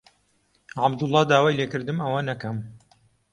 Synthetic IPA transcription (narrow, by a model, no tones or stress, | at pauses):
ʕabd̪ʊlˠˤːɑːd̪aːwaːjleːkɨɾd̪ɨmɐwɐnɐkɐm